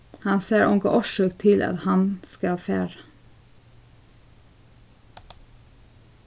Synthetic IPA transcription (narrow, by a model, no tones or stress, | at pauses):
hɑnseːɹʔʊŋɡə̰ʔɔʃøːkt̪ʰɪlʔɑ̰t̪hɑnskɑlfeːɹə